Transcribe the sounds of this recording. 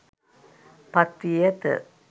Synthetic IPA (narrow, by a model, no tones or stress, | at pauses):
pɐt̪ːijɐt̪ɨ̰